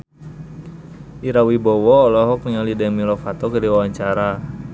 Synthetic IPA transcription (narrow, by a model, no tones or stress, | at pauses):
ʔiɾawibɔwɔːlɔɦɔk̚niŋalidɛŋmilɔfat̪ɔkədiwawaɲt͡ʃaɾa